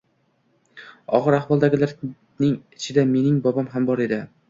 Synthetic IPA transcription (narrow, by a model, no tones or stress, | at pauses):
ɒ̰ʁɨɾahvɒlˠd̪aɡʲɪlaɾ | nɪŋɪt͡ʃʰɪd̪ame̞nɪŋbɒbamɦambɒɾe̞d̪ɪ